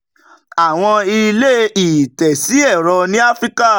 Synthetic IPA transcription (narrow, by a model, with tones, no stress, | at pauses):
a˨w̃ɔ̃˧i˧le˦i˨tɛ˨si˨˦ɛ˦˨ɾɔ˧nĩ˦a˦fɾi˦ka˦